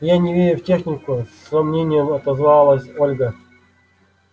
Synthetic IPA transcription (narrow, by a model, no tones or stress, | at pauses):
janʲɪvʲeɾʲʊftʲexnʲɪkʊsrɐmnʲenʲɪjəmɐt̪ɐzvɑlˠəsʲolʲɡə